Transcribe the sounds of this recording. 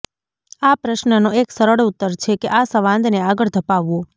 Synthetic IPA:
apɾəʃnənoeksəɾəɭut̪ːəɾt͡ʃʰekeʔasəʋãnd̪neaɡəɭd̪ʱəpaʋːo

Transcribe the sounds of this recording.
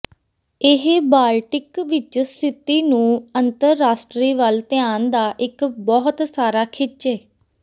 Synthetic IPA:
ɪɦbaːlʈɪkʋɪt͡ʃst̪ʰɪt̪iːnũːənt̪əɾːaːsʈɾiːʋəlt̪ɪaːnd̪aːʔɪkbɔːɦt̪saːɾaːkʰɪt͡ʃɛː

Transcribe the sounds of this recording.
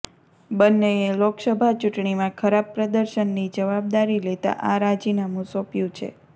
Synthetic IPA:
bənːeeloksəbʱat͡ʃuʈɳimãkʰəɾabpɾəd̪əɾʃənːid͡ʒəʋab̚d̪aɾilet̪a̰ʔaɾad͡ʒinamũsopjũt͡ʃʰḛ

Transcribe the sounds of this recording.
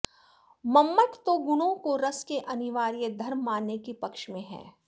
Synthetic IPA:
mɐmːət̪t̪oɡʊnõkoɾɐskeʔɐnɪʋaːɾijəd̪ʱɐɾmːaːnːekipɐkʃmẽɦɛ̰̃ː

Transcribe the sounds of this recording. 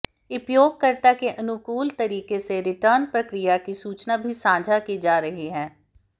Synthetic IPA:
ʊpjoːɡ̚kəɾt̪akeʔɐnʊkuːlt̪əɾiːkeseɾɪʈəːɾnpɾəkɾɪjakisuːt͡ʃnabʱisãːd͡ʒʱakid͡ʒaːɾəɦiɦɛ̃ː

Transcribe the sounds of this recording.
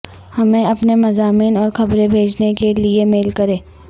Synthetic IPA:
hɐmẽɐpnemɐzaːmiːnɔːɾxɐbɾẽbʱeːd͡ʒnekeliemeːlkɐɾẽː

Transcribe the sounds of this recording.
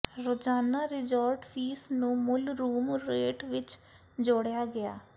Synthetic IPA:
ɾoːd͡ʒaːnaːɾɪd͡ʒaːɾʈpʰiːsnũːmʊlɾuːmɾeːʈʋɪt͡ʃ | d͡ʒoːɽjaːɡɪja̰ː

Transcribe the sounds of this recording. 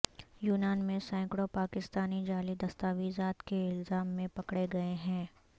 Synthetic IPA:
juːnaːnmẽsɛ̃ːkɽopaːkɪst̪aːnid͡ʒaːlid̪ɐst̪aːʋizaːt̪keɪlzaːmːẽpɐkɽeɡɐeɦɛ̃ː

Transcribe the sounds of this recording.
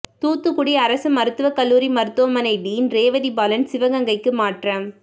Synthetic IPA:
t̪uːt̪ːɯkʊɽiɐɾɐsɯmɐɾɯt̪ːɯʋɐkɐlːuːɾimɐɾɯt̪ːoːmɐnɐɪɖiːnɾeːʋɐðibɐlɐnsɪʋɐɣɐŋɡɐɪkːɯmaːʈrɐm

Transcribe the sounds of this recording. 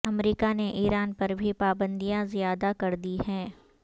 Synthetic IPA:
ɐmɾiːkaneʔiːɾaːnpɐɾbʱipaːbə̃nd̪ijãzijaːd̪akɐɾd̪ihɛ̃ː

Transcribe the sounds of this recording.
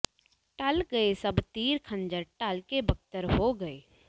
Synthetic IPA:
ʈɐlɡɐesɐbt̪iːɾkʰə̃ɲd͡ʒəɾʈalkebɐk̚t̪əɾɦoɡɐeː

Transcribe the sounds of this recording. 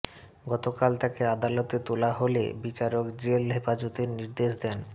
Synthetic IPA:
ɡɔt̪okalt̪akead̪alot̪et̪olaɦolḛbit͡ɕaɾokd͡ʑelɦefad͡ʑot̪eɾniɾd̪eʃd̪ɛn

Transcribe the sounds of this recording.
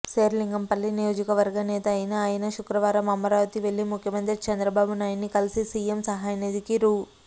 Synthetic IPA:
seːɾliŋɡɐmpɐlːinijo̞ːd͡ʒikɐʋɐɾɡɐnɛːt̪ɐːjinɐːjɐnɐʃukɾɐʋaːɾɐmɐmːɐɾaːʋɐt̪iʋe̞ɭːimukʰjɐmɐnt̪ɾit͡ʃɐnd̪ɾɐbaːbunaːjinnːikɐlisisiːemsɐɦaːjɐned̪ikiɾuː

